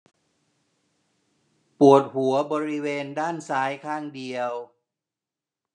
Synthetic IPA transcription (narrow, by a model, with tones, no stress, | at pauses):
pu˨˩ət̪̚hu˩˦ɐbɔː˧ɾi˦˥weː˧ndaː˥˩nsaː˦˥jkʰaː˥˩ŋdi˧əw